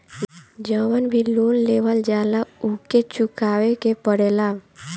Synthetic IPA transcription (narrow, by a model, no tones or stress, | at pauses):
d͡ʒəwənbʱiloːnlewəld͡ʒaːlauket͡ʃukaːwekepəɽeːla